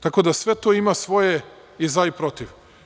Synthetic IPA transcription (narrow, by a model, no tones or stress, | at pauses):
t̪ako̞d̪asʋe̞t̪oimasʋo̞je | izaipɾo̞t̪iʋ